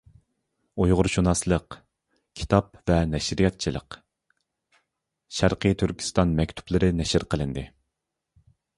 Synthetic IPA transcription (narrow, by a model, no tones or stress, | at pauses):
ojʁʊɾʃunɑslˠəq | kʲʰi̥t̪ʰɑp̚vɛnɛʃɾijɑt̪̚t͡ʃʰilˠə̰q | ʃæɾqət̪ʰyɾkʲʰi̥st̪ɑnmɛkʲt̪ʰu̥plˠɨɾɪnɛʃɪɾqʰəlˠɨnd̪ɨ